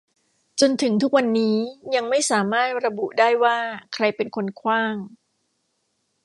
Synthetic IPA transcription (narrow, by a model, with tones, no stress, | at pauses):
t͡ɕo˧nt̪ʰɯ˩˦ŋt̪ʰu˦˥k̚wa˧nːiː˦˥ja˧ŋma˥˩jsaː˩˦maː˥˩t̪̚ɾa˧bu˨˩ʔdaː˥˩jwaː˥˩kʰɾa˧jpe˧nkʰo˧nkʰwaː˥˩ŋ